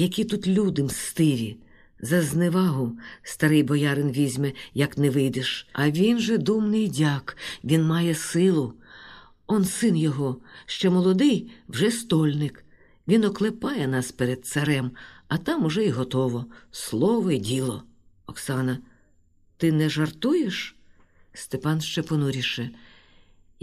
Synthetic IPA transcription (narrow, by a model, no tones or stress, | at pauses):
jɐkʲit̪ut̪lʲud̪ɪmst̪ɪɾʲi | zɐznɛʋɑɦʊst̪ɐɾɪjbɔjɑɾɪnʋʲizʲmɛjɐknɛʋɪjd̪ɪʃɐʋʲinʒɛd̪umnɪjdʲɑkʋʲinmɑjɛsɪlˠʊ | ɔnsɪnjɔɦɔʃt͡ʃɔmɔlˠɔd̪ɪjwʒɛst̪ɔlʲnɪk | ʋʲinɔklˠepɑjɛnɑspeɾed̪̚t̪sɐɾɛmɐt̪ɑmʊʒɛiɦɔt̪ɔʋɔslˠɔʋɔidʲilˠɔ | ɔksɑnɐ | t̪ɪnɛʒɐrt̪ujeʃ | st̪epɑnʃt͡ʃɛpɔnuɾʲiʃɛ